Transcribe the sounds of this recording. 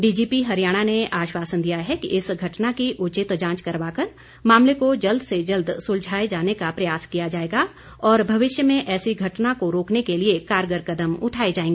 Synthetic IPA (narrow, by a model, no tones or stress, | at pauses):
ɖiːd͡ʒiːpiɦɐɾijaːɽ̃aneʔaːʃwaːsənd̪ijaɦɛkiɪsɡʱɐʈnakiʔʊt͡ʃɪt̪d͡ʒãːt͡ʃkɐɾʋaːkəɾ | maːmlekod͡ʒɐld̪sed͡ʒɐld̪sʊld͡ʒʱaːed͡ʒaːnekapɾɐjaːskijad͡ʒaːeːɡa | ɔːɾbʱɐʋɪʃjəmẽʔɛːsiɡʱɐʈnakoɾoːknekeliekaːɾɡəɾkɐd̪əmʊ̰ʈʰaːed͡ʒaːẽːŋɡeː